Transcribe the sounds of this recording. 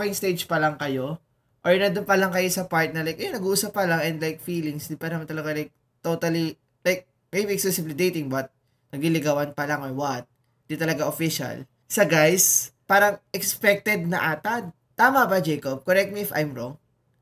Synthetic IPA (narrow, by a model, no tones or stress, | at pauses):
ajŋst̪ejd͡ʒpɐlɐŋkɐjo̞ | ʔoɹnɐd̪ʊnpɐlaŋkɐjo̞sɐpaɹt̪̚nɐlajkʔɛjnɐɡuːʔuːsɐpːɐlaŋɛnd̪lajk̚fiːlɪŋsd̪ɪnpɐnɐmant̪ɐlɐɡalajk̚ | t̪ot̪ɐli | lajk̚ | mejbiɛksɛsɪblid̪ejt̪ɪŋbɐt̪̚ | nɐɡlilɪɡawɐnpɐlaŋʔoɹwɐt̪̚ | nd̪it̪ɐlɐɡaʔofɪʃɐ̰l | sɐɡajspaːɾɐŋʔɛkspɛk̚t̪ɛd̪̚nɐʔaːt̪ɐd̪̚ | t̪aːmɐbɐd͡ʒɛjkob̚koɾɛk̚t̪̚miɪfa̰jmɹoŋ